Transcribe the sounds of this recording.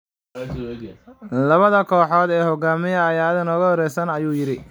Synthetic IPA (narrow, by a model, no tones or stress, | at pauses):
lɐβɐðɐkʰɔːħɔːd̪ɛːhɔɡaːmɪjɐːjaːðɪnɔːɣɐhɔɾɛjsɐnɐjuːjɪɾɪ